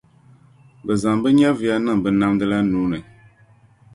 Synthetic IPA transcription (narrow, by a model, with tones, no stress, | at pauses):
bə˨za˨ŋbɨ˦ɲa˦vi˨a˦nɨ˦ŋ˨bɨ˨na˦mdɨ˦la˦nuː˨˦nɨ˨